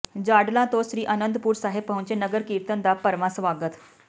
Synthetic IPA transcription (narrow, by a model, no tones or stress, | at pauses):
d͡ʑaɖlãt̪oɕɾiːʔənənd̪puːɾsaɦebːəɦũnt͡ɕenəɡəɾkiːɾt̪ənd̪apəɾʋãsʋaɡət̪